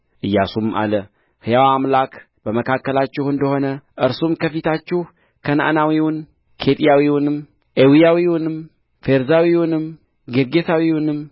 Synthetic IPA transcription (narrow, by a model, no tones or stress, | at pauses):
ʔɨjːasuma̰lə | hɨjawaamlak | b̥əməkʰakːəlat͡ʃːɪhɨnd̪əho̞nəʔɨɾsumkʰəfit̪ʰat͡ʃːɪh | kʰəna̰ʔa̰nawiwʊn | kʰe̞t̪ʼijawiwʊnɨm | ʔewijawiwʊnɨm | fe̞ɾzawiwunɨm | ɡeɾɡe̞sawiwunɨm